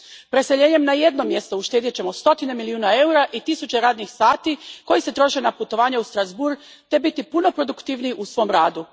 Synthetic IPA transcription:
pɾe̞seʎe̞ːɲe̞mnaje̞d̪no̞mje̞st̪o̞uʃt̪eːd̪jet͡ɕe̞mo̞st̪o̞t̪ine̞miliuːnae̞uɾaʔit̪isut͡ɕe̞ɾaːd̪nixsaːt̪iko̞jise̞t̪ɾo̞ʃe̞naput̪o̞ʋaːɲeust̪ɾazbuɾ | t̪e̞bit̪ipuno̞pɾo̞d̪ukt̪iːʋniʔusʋo̞mɾaːd̪u

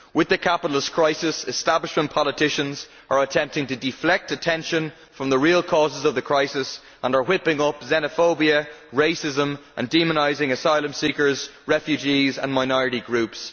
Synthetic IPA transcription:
wɪðəkʰapəɾəl̩ˠɪskʰɹ̥aɪsɪsɪstablɪʃmə̃npʰɑlətʰɪʃə̃nz | ʔə˞ətʰɛ̃mp̚tɪ̃ŋtʰədɪflɛk̚tətʰɛ̃nʃə̃n | fɹʌ̃mðəɹiːəlˠkʰɔːzɪzʌvðəkʰɹ̥aɪsɪs | ʔə̃nə˞wɪpɪ̃ŋʌpzɛnəfoʊbiəɹeɪsɪzə̃mʔə̃ndĩmənaɪzɪ̃ŋəsaɪlˠə̃msikə˞zɹɛfjʉd͡ʒizə̰̃nmaɪnɔɹɨɾiɡɹʉps

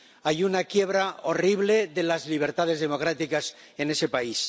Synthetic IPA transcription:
ajunakje̞βɾao̞riβle̞ðelazliβ̞e̞ɾt̪að̞ezðe̞mo̞kɾat̪ikas | ene̞se̞pais

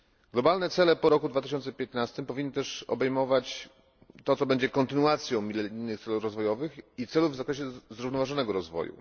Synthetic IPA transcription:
ɡ̥lɔbalnɛt̪sɛlɛpɔɾɔkud̪vat̪̬ɘɕɔnt̪sɛpʲjɛt̪nast̪ɘmpɔvʲinːɘt̪ɛʂɔ̰bɛjmɔvat͡ɕ | t̪ɔt̪ɔbɛɲd͡ʑɛkɔnt̪ɘnuat̪sʲjɔ̃w̃mʲilɛɾijnːɘxt̪sɛlufɾɔzvɔjɔvɘxit̪sɛluvzakɾɛɕɛzɾuvnɔvaʐɔnɛɡɔɾɔzvɔ̰jṵ

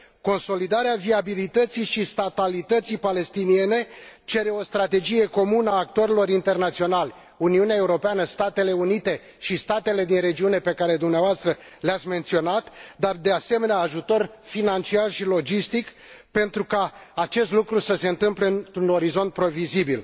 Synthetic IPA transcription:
ko̞nso̞lid̪aɾeaviabilit̪ət̪sijʃist̪at̪alit̪ət̪sijpale̞st̪inie̞ne̞t͡ʃe̞ɾe̞o̞st̪ɾat̪e̞d͡ʒije̞ko̞munəaːk̚t̪o̞ɾilo̞ɾint̪e̞rnat̪sio̞nalʲ | uniuneae̞uɾo̞peanəst̪at̪e̞le̞unit̪e̞ | ʃist̪at̪e̞le̞d̪inre̞d͡ʒiune̞pe̞kaɾe̞d̪umneavoast̪ɾə | leat̪sʲme̞nt̪sio̞nat̪d̪ard̪e̞ase̞me̞naːʒut̪o̞rfinant͡ʃiarʃilo̞d͡ʒist̪ik | pe̞nt̪ɾukaːt͡ʃe̞st̪lukɾusəse̞ɨnt̪ɨmpleɨnt̪ɾuno̞ɾizo̞nt̪̚pɾo̞vizibil

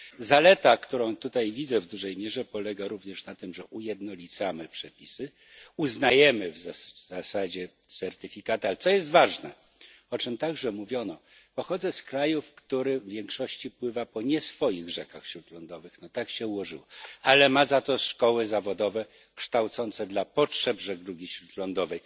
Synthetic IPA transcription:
zalɛt̪akt̪uɾɔ̃w̃t̪ut̪ajvʲid̪zɛvd̪uʐɛjmʲjɛʐɛpɔlɛɡaɾuvɲɛʂnat̪ɘmʐɛʔujɛd̪nɔlʲit̪samɘpʂɛpʲisɘ | uznajɛmɘvzaz̥asad͡ʑɛ | t̪sɛɾt̪ɘfʲikat̪ɨalɛt̪sɔjɛs̬t̪vaʐnɛ | ɔt͡ʂɘmt̪aɡʐɛmuvʲjɔnɔ | pɔxɔd̪zɛskɾajufkt̪uɾɘvʲːjɛŋkʂɔɕt͡ɕipwɘvapɔɲɛsfɔjiɣʐɛkaxɕɾut̪lɔnd̪ɔvɘxnɔt̪akɕɛuwɔʐɘwɔalɛmazat̪ɔʂkɔwɘzavɔd̪ɔvɛ | kʂt̪awt̪sɔnt̪sɛd̪lapɔtʂɛbʐɛɡɾuɡʲiɕɾut̪lɔnd̪ɔvɛj

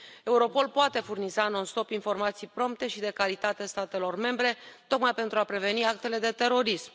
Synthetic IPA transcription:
e̞uɾo̞po̞lpoat̪e̞furnizaɨnunst̪o̞pinfo̞rmat̪sijpɾo̞mp̚t̪e̞ʃid̪e̞kalit̪at̪e̞st̪at̪e̞lo̞rme̞mbɾe̞t̪o̞kmajpe̞nt̪ɾuapɾe̞ve̞niak̚t̪e̞le̞d̪e̞t̪e̞ɾo̞ɾism

